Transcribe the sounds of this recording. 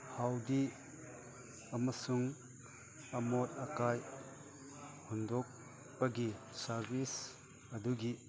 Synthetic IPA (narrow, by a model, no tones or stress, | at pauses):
hawdi | ɐmɐsuŋ | ɐmot̚ɐkaj | hundɔk̚ | pɐɡisɐɾbis | ɐduɡi